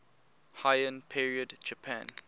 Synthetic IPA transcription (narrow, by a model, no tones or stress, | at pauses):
haɪə̃npʰiɹiədd͡ʒəpʰã̰n